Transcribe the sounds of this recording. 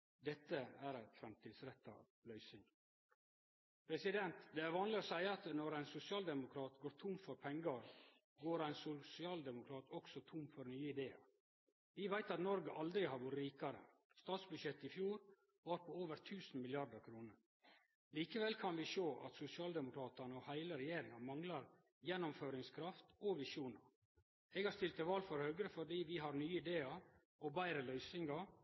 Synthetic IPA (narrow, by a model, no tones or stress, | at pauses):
d̪ɛt̪ːəæɾæɪfɾɑmt̪ʰiːd̪sɾɛt̪ːɑ̰ | lœʏsɪŋ | pʰɾɛsɪd̪ɛnt̪d̪ɛæɾʋɑːnlɪɔsæɪəɑt̪nɔɾæɪnsʊsɪɑːld̪ɛmʊkʰɾɑːt̪ɡoːɾt̪ʰʊmfɔɾpʰɛŋɡɑɾ | ɡoːɾæɪnsʊsɪɑːld̪ɛmʊkʰɾɑːt̪ɔksɔt̪ʰʊmfɔɾnyːəɪd̪eːɑ̰ɾ | ʋɪʋæɪt̪ɑt̪nɔɾɡəʔɑld̪ɾɪhɑɾbʊɾɾiːkɑɾə̰ | st̪ɑːt̪sbʉd̪ʃɛt̪ːɪfjuːɾ | ʋɑːɾpʰɔoːʋəɾt̪ʰʉːsn̩mɪlɪɑɾd̪əkʰɾuːnəɾ | liːkəʋɛlkʰɑnʋɪʃoːʔɑ̰t̪sʊsɪɑːld̪ɛmʊkʰɾɑːt̪ɑnəɔhæɪləɾɛjeːɾɪŋɑmɑŋlɑɾ | jɛnːʊmføːɾɪŋskʰɾɑft̪ɔʋɪʃuːnɑ | ɛɡhɑɾst̪ɪlt̪əʋɑːlfɔɾhœːɡɾəfɔɖiːʋɪɦɑɾnyːɪd̪eːɑ | ɔbæɪɾəlœʏsɪŋɡɑ